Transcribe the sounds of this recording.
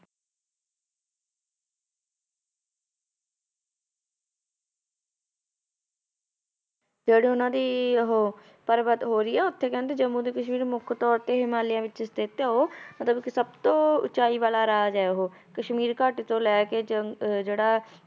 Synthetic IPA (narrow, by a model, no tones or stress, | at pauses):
d͡ʒeːɽiːʊnãːd̪iːɦoː | pəɾbət̪ɦoːɾəiːɛːʊt̪ʰːeːkɛ̃ːnd̪eːd͡ʒəmũːd̪eːkəʃmiːɾmʊkʰt̪ɔːɾt̪eːɦɪmaːlɪjãːʋɪt͡ʃst̪ɪt̪eɦoːmət̪ləbksəbt̪õːʊ̰t͡ʃaːiːʋaːlaːɾaaːd͡ʒɛːeːɦoː | kəʃmiːɾkaːʈit̪õːlɛːkeːd͡ʒd͡ʒeːɽaː